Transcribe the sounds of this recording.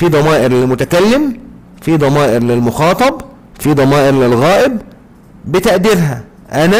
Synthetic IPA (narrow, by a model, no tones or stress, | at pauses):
fiːd̪ˤɑmɑːʔɪɾlɪlmʊt̪ækælːɪm | fid̪ˤɑmɑːʔɪɾlɪlmʊxɑːt̪ˤɑb | fiːd̪ˤɑmɑːʔɪɾlɪlɣæːʔɪb | bɪt̪æʔd̪iɾɦæ | ʔænæ